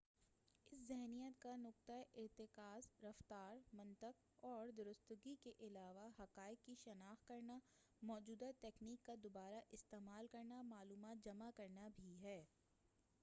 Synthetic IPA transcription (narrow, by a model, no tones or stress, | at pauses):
ɪszɛɦnijət̪kanʊq̚t̪aʔɪɾt̪ɪkaːzɾɐft̪aːɾmɐ̃nt̪əq | ɔːɾd̪ʊɾʊst̪ʊɡikeʔɪlaːʋaɦɐqaːɪkkːiʃɐnaːxkɐɾna | mɔːd͡ʒuːd̪at̪eːkniːkːad̪obaːɾaʔɪst̪eːmaːlkɐɾnamaːluːmaːt̪̚d͡ʒɐmakɐɾnabʱiɦɛː